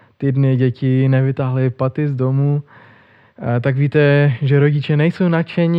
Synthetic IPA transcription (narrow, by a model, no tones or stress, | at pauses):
t̪idnɪɟɛcɪnɛvɪt̪aɦlɪpat̪ɪzdomu | t̪aɡviːt̪ɛʒɛɾo̞ɟɪt͡ʃɛnɛjso̞wnat͡ʃɛɲɪ